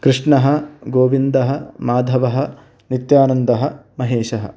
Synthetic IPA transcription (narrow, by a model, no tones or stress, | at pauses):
kɾɨʂɳɐɦɐ̆ɡoːʋind̪ɐɦɐmaːd̪ʱɐʋɐɦɐ | nit̪jaːnɐnd̪ɐɦɐ̆mɐɦeːʃɐɦɐ̰̆